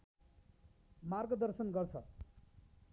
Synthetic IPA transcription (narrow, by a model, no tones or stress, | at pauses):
marɡʌd̪ʌrsʌnɡʌrt͡sʰʌ